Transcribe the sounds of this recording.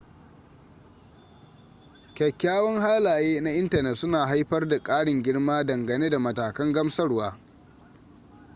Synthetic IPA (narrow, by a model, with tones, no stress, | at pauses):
kʲɛ˨kʲːaː˦wɔ˦ŋhaː˦laː˨jeː˦na˦ʔɪ˦ntɐ˨nɛ˨tsʊ˦naː˨ɦa˦jɸɐ˦rda˨kʼaː˦ɽɪ˨ŋɡʲɪ˦ɽmaː˦dɐ˨ŋɡɐ˨neː˦da˨mɐ˨taː˨kɐ˦ŋɡɐ˦msɐ˦ɽwaː˦